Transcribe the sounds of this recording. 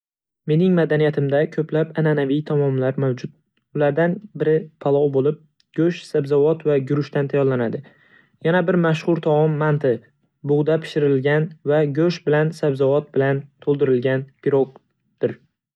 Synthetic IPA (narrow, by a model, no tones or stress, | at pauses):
me̞nɪŋmad̪anijat̪ʰɪmd̪akʲʰɵplapananavijt̪ʰamɒmlaɾmawd͡ʒʊt̪̚ | ʊlaɾd̪anbɪɾɪpʰalˠɒwbolɪp̚ | ɡ̥ʲɵʃsabzavɒt̪vaɡʊɾɪʃt̪ant̪ʰajɒɾlanad̪ɪ | janabɪɾmaʃχʊɾt̪ʰɒmɒmːant̪ʰɪ | bʊʁd̪apʰɪ̥ʃɪɾɪlɡʲanvaɡʲɵʃbɪlansabzɒvɒt̪̚bɪlant̪ʰolˠd̪ɪɾɪlɡʲanpʲiɾok | d̪̥ɪɾ